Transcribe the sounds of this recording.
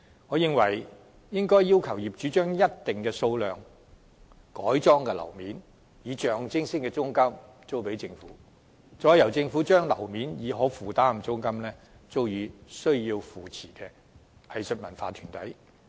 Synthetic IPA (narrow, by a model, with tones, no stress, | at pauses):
ŋɔː˨˧jɪ˨˧ŋwɐ˨˩j | jɪ˥ŋkɔː˥jːiː˥wkʰɐ˨˩wjiː˨p̚t͡ʃyː˨˧˥t͡ʃœː˥ŋjɐ˥t̚t̪ɪ˨ŋkɛː˧so˧wlœː˨ŋ | kɔː˨˥jt͡sɔː˥ŋkɛ˧lɐ̰˨˩wmiː˨˥n | jiː˨˧t͡ʃœː˨ŋt͡sɪ˥ŋsɪ˥kɛ˧t͡sʊ˥ŋkɐ˥m | t͡so˥wpe˨˥jt͡sɪ˧ŋfṵː˨˥ | t͡ʃɔː˨˥jɐ˨˩wt͡sɪ˧ŋfu˨˥t͡ʃœː˥ŋlɐ̰˨˩wmiː˨˥njiː˨˧ɦɔː˨˥fuː˨t̪aː˥˩m̩˨˩t͡sʊ˥ŋkɐ˥mlɛː˥ | t͡so˥wjyː˨˧sɵ˥ɥjiː˧wfuː˨t͡sʰiː˨˩kɛː˧ | hɐ˨˧jsɵ˨t̚mɐ˨˩nfa̰ː˧t̪ʰyː˨˩nt̪ɐ˨˥j